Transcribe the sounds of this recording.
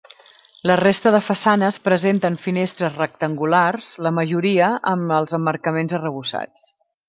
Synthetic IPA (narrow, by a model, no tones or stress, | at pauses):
lərest̪əðəfəsanəspɾəzent̪əɱfinest̪ɾəzrək̚t̪əŋɡularz̥ləməʒuɾiəʔəməlˠzəmːərkəmenzərəβ̞usa̰t͡s